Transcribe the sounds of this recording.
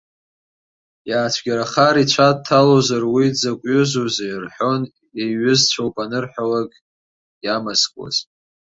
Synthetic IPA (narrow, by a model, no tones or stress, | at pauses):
jaːt͡ʃʷʰɡʲaɾaχaɾit͡ɕʷʰad̚tʰːalozarwid͡zakʷʼʊzozairħʷo̞n | eɥʏzt͡ɕʷʰawpʼanɨrħʷᶣalakʼ | jamazkʷʼwa̰z